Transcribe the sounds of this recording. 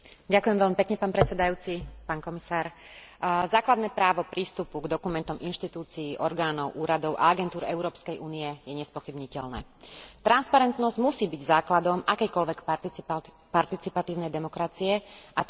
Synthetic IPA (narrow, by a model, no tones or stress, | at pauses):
ɟakujɛmʋɛlmipɛkɲɛpaːnpɾɛt͡sɛd̪ajuːt͡sipaːnkɔmisaːɾ | zaːklad̪nɛːpɾaːʋɔpɾiːst̪upuɡd̪ɔkumɛnt̪ɔminʃt̪it̪uːt͡siːʔɔɾɡaːnɔʊʔuːɾad̪ɔʊʔa̰aɡɛnt̪uːɾɛʊɾɔːpskɛjʔuːniɛjɛɲɛspɔxibɲicɛlnɛ̰ːt̪ɾanspaɾɛnt̪nɔzɟmusiːbiɟzaːklad̪ɔmʔakɛjkɔlʋɛk | paɾt̪it͡sipat̪iːʊnɛjd̪ɛmɔkɾat͡siɛʔa